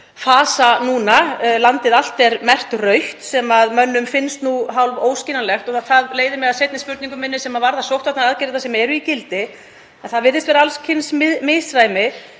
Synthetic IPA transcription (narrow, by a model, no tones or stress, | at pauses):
faːsanuːnalant̪ɪðal̥t̪ɛɾmɛr̥t̪rœɥht̪sɛmaðmœnːʏmfɪnst̪nuɦawlvoːwscinanlɛxt̪ɔɣθaθaðleːjðɪmɛɣaðsejt̪nɪspʏɾt̪niŋkʏmɪnːɪsɛmavaɾðasowht̪vaht̪naðaðcɪɾɪt̪asɛmaɛɾʏicɪlt̪ɪ | ɛnθaðvɪɾðɪst̪vɛːɾaalscʰɪnsmɪðmɪsɾajmɪ